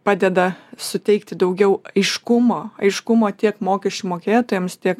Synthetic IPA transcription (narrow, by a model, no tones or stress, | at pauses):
pɑːd̪ʲɛd̪ɐsʊt̪ʲɛɪkt̪ʲɪd̪ɐʊɡʲɛʊɐɪʃkʊmoːɐɪʃkʊmoːt̪ʲiɛkmoːkʲɛʃʲt͡ʃʲumoːkʲeːt̪oːjɛmst̪ʲiɛk